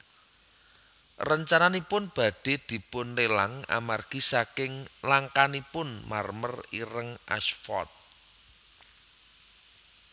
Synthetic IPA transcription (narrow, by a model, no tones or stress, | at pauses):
rəɲt͡ʃananipʊnb̥a̤d̥e̤d̪̥i̤pʊnlela̰ŋa̰marɡ̥i̤sakɪŋlaŋkanipʊnmarmə̰riɾəŋʔa̰ʃfɔ̰t̪̚